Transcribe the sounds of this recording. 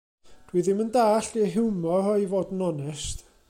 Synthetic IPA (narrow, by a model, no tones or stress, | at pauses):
d̥ʰwiːðɪməndaːɬiəɦɪwmɔɔjvoːdənɔnɛst